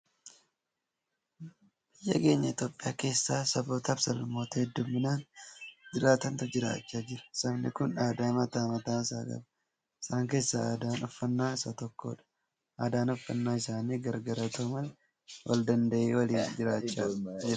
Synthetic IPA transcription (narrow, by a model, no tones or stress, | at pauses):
b̥ɪjːɐke̞ːɲːɐɪt̪joːpʼːɪja̰ːke̞ːsːaːsɐbo̞ːt̪ɐbsɐlmo̞ːt̪ɐhɛd̪ːʊmːɪnaːnd͡ʒɪɾaːt̪ɐnt̪ʊd͡ʒɪɾa̰ːt͡ʃːaːd͡ʒɪɾɐ̥sɐmnɪ̰kʊnaːd̪aːmɐt̪aːmɐt̪aːɪsa̰ːɡɐ̰bɐ̥ | ɪ̥saːŋke̞ːsːɐa̰ːd̪aːnɔfːɐnːaːɪsɐt̪ɔkːo̰ːᶑɐ̥ | ʔaːd̪aːnɔfːɐnːaːɪsaːniːɡɐɾɡɐɾɐt̪oːmɐl | wʔɐ̰ld̪ɐnd̪ɐʔeːwɐliːd͡ʒɪɾaːt͡ʃːad͡ʒɪɾ